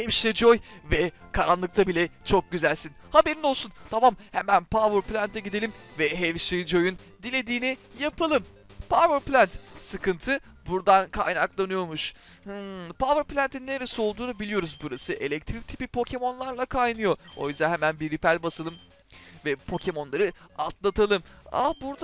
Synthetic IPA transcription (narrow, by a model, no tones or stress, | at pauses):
hɛvʃed͡ʒojvɛkʰaɾanlˠɯk̚t̪ʰabilʲɛt͡ʃʰo̞k̚ɟyzælʲsinhabe̞ɾino̞lˠsunt̪ʰamamhemænpʰavɯɾplʲænt̪ʰɛɟid̪e̞lʲimvɛɦɛvʃed͡ʒo̞jun | d̪ilʲe̞d̪iːnijapʰalˠɯm | pʰavɯɾplʲænt̪sɯkɯnt̪ʰɯ | buɾd̪ankʰa̰jnaklˠanɯjo̞ɾmuʃ | hɯpʰavɯɾplʲænt̪ʰinːeɾesio̞lˠd̪uːnubilʲijo̞ɾuzbuɾasɯʔe̞lʲɛc̚t̪ʰɾic̚t̪ʰi̥pipʰo̞cʰe̞mo̞nlˠaɾlˠakʰajnɯjo̞o̞̰jyzd̪æɛɦemænbiɾːipælʲbasalˠɯm | vɛpʰo̞cʰe̞mo̞nlˠaɾɯa̰t̪lˠat̪ʰalˠɯma̰buɾd̪a